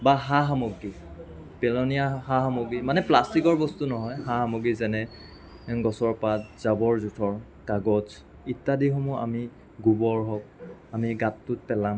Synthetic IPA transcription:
baɦaɦamoɡi | pɛlɔnijahaɦamoɡimanɛplastikɔɹbɔstunɔɦɔjhahamɔɡizɛnɛ | ɡɔsɔɹpatzabɔɹzutʰɔɹ | kaɡɔz | itːadixɔmɔʔa̰mi | ɡubɔɹɦɔk̚amiɡatːʊt̚pɛlam

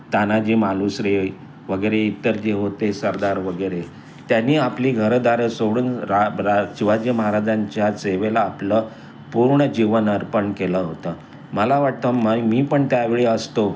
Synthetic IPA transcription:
t̪anad͡ʑemalusɾe | ʋəɡəjɾeit̪ːəɾd͡ʑeɦot̪esəɾd̪aɾʋəɡəjɾe | t̪janːiːapliːɡʱəɾd̪aɾəsoɽuːnɾaɾat͡ɕiʋad͡ʑəməɦaɾad͡ʑaɲt͡ɕjat͡seʋelaːplə | puɾɳəd͡ʑiʋənəɾpəɳkeləɦot̪ə | məlaʋaʈ̚t̪əmajmiːpəɳt̪jaʋeɭeəst̪o

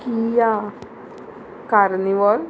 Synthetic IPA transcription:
kija | kaɾniʋɔl

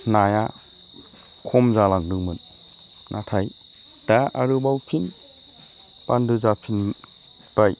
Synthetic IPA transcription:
naja | kʰɔmzalaŋdɯŋmɯn | nʔatʰaj | d̥aaɾɯbawpʰin | pandɯzapʰin | b̥aj

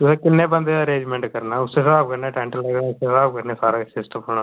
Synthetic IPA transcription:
ʊseːkɪnːẽːbənd̪eːd̪aːəɾẽːd͡ʒmẽːɳʈkəɾnaːʊsːesaːb̚kəɾneːʈɛ̃ːɳʈəlːəɡnaːʊsesaːb̚kəɾnẽːsaːɾaːsɪsʈəmɦoːnaː

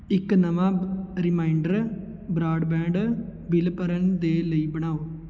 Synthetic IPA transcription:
ɪknəʋãːɾɪmaːiɳɖəɾ | bɾaːɖbɛ̃ːɳɖbɪlpəɾənd̪eːləiːbəɽ̃aːoː

